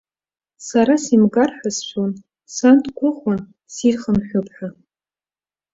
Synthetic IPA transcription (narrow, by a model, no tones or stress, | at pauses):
saɾasimɡarħʷᶣasʃʷʰon | santʰʼɡʷʊχʷan | sirχənħʷᶣʊpʰʼħʷᶣa